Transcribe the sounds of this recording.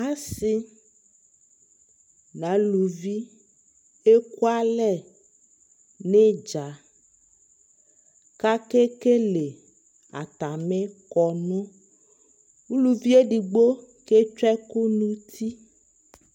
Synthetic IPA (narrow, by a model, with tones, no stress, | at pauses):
a˦si˦ | nã˨˦lu˨vi˦ | e˦ku˦a˦lɛ˦ | ne˦d͡ʒa˨ | ka˦ke˦ke˦le˨ | a̰˨t̪a˨me˦kɔ˨nõ˦ | wu˦lu˨vi˦e˦ɖi˨ɡ͡bo˦ | ke˦t͡ʃɛ˦ku˦nũ˦t̪ʰi˦